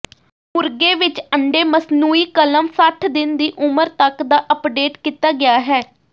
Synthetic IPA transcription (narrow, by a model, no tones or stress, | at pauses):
mʊɾɡeːʋɪt͡ʃəɳɖeːməsnuːiːkələmsəʈʰd̪ɪnd̪iːʔʊməɾt̪əkd̪aːʔəpɖeːʈkiːt̪aːɡɪjaːɦɛː